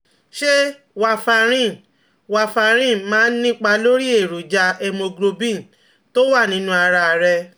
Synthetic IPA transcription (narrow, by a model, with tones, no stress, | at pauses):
ʃe˦ | wa˧fa˧ɾ̃ĩ˦˨ | wa˧fa˧ɾ̃ĩ˦˨mãː˦nĩ˦k͡pa˧lo˦ɾi˦e˨ɾu˨d͡ʒa˧e˧mõ˧ɡɾo˧bĩ˦˨ | to˦wa˦˨nĩ˨˦nũ˦a˧ɾa˧ɾɛ˧